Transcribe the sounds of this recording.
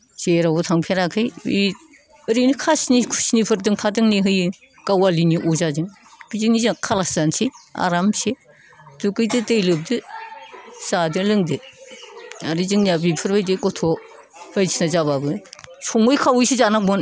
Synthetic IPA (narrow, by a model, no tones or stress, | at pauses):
seɾawbɯtʰaŋpʰeɾakʰɯjbi | ɯɾinikʰasnikʰu̥snipʰɯɾdɯŋpʰadɯŋniɦɯjɯ | kawaliniʔuzazɯŋ | b̥iziŋnizakʰalaszansʰia̰ɾamse | d̥ukɯjdɯdɯjlɯp̚dɯ | sadɯlɯŋdɯ | aɾizɯŋnijabipʰɯɾbajdɯkɔtʰɔ | b̥ajsʰinazababɯsɔŋojkʰawɯjsizanabɔn